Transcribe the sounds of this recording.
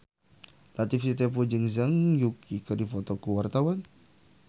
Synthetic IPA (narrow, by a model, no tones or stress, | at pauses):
lat̪ifsit̪̬ɛpud͡ʒəŋzaŋjukikədifɔt̪ɔkuwart̪awan